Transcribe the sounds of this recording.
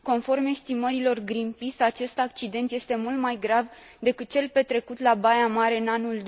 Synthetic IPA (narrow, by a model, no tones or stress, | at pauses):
ko̞nfo̞rme̞st̪iməɾilo̞rɡɾimpisat͡ʃe̞st̪akt͡ʃid̪e̞nt̪je̞st̪e̞mult̪majɡɾav | d̪e̞kɨt̪̚t͡ʃe̞lpe̞t̪ɾe̞kut̪labajamaɾe̞ɨnanuld̪